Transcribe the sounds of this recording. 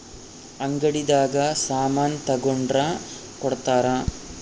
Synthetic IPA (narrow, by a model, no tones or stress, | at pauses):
ɐŋɡɐɽid̪aːɡɐsaːmaːnt̪ɐɡoɳɖɾa | kɔɽt̪aːɾɐ